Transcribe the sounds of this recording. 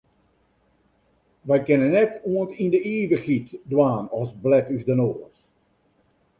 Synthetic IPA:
ʋɛjkɪnənːɛtuəntindəiːʋəxitdwaːnɔsblɛtysdənoːs

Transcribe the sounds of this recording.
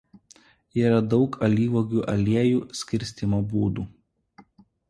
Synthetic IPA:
iːɾɐd̪ɒʊkʰɐlʲiːʋoɡʲuːʔɐlʲiɛjuːsʲkʲɪɾʲsʲt̪ʲimoːbuːd̪uː

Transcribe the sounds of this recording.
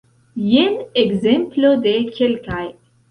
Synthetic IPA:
jeneɡzemplod̪ekʲʰelkaj

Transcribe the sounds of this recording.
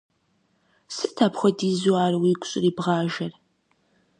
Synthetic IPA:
sɨtʰaːpxʷɔdiːzuaːrwiːɡʷʼɕʼɪriːbʁɑːʒɐr

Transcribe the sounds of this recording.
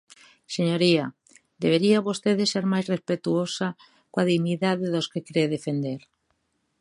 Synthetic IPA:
seɲoɾiɐ | d̪eβeɾiaβost̪eðɪseɾmajzrespet̪uosɐ | koaðiɣɲiðaðɪðoskekɾeðefend̪eɾ

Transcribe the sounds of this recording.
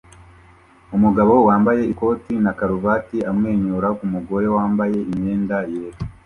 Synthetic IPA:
umuɡaβo̞waːmbaje̞iko̞ːtinakaɾuvatiamŋe̞ːɲoɾakumuɡo̞ɾe̞waːmbaje̞ime̞ːndajeːɾu

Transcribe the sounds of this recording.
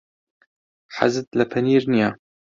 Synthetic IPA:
ħa̰zɨt̪lɐpʰɐniːɾnijaː

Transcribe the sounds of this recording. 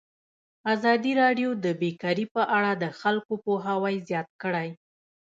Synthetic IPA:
azɑd̪iɾɑɖjod̪əbekɑɾipəʔaɽad̪əxalkopoɦawajzjɑt̪̚kəɽaj

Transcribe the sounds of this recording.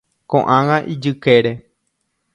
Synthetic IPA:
kõʔãŋãʔid͡ʒɨkeɾe

